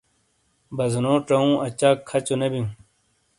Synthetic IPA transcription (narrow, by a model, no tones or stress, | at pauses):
bɐznoːʈɐũːʔɐt͡ɕaːkʰːɐt͡ɕonebĩũ